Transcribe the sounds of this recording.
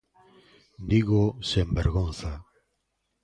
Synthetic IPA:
d̪iɣosembeɾɣonθa

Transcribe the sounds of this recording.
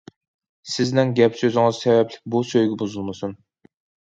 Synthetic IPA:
sɪznɪŋɡʲɛpsøzɪŋɨzsɛvɛplɪ̥k̚ʲbusøjɡʲɛbuzulˠmɨsun

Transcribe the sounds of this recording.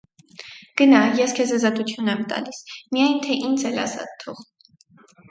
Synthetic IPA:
ɡ̥ənɑjɛskʰɛzɑzɑt̪ut͡s̪ʰjunɛmt̪ɑ̰lismijɑjnt̪ʰɛʔind͡zʰɛlɑ̰sɑ̰t̪ʰːɔʁ

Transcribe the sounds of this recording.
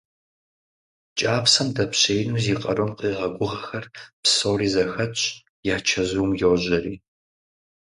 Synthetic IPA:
t͡ʃʼaːpsɐmdɐpɕejnuːziːqʼɐ̰ɾomqiːʁɐɡʷʊʁɐxɐrpsowriːzɐxɐt͡ʃʼ | jaːt͡ʃʰɐʑuwmjoʑɐriː

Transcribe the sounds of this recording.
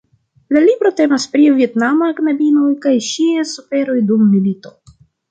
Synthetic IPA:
lalibɾo̞te̞maspɾivie̞tnamaknabino̞jkajʃiesufe̞ɾo̞jdumːilito̞

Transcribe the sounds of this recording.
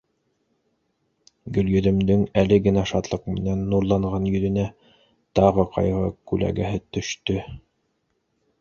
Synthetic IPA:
ɡɵ̆ljɵ̆ðɘ̆md̪ɘŋælɘɡɘ̆næʃɑt̪lˠɤq̚mɘ̆nænːuɾlˠɑɴʁɑnjɵ̆ðɘ̆næ | t̪ɑʁɤqɑ̰jʁɤkʉlæ̰ɡæɦɘt̪ɵ̆ʃt̪ɵ

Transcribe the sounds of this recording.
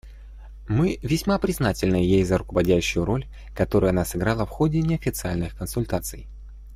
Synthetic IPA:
mɨvʲɪsʲmapɾʲɪznatʲɪlʲnɨəjejzəɾʊkəvɐdʲæɕːʊjʊɾo̞lʲ | kɐt̪o̞ɾʊjɐnasɨɡɾalˠəfxo̞dʲɪnʲɪɐfʲɪt̪sɨalʲnɨxkənsʊlʲt̪at̪sɨj

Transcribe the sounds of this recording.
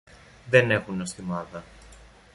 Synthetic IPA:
ðe̞ne̞xunost̪imɐðɐ

